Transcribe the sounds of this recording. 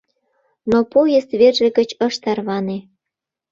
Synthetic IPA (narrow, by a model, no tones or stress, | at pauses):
nopojəst̪βerʒĕɣə̆t͡ɕə̆ʃt̪ɑrβɑne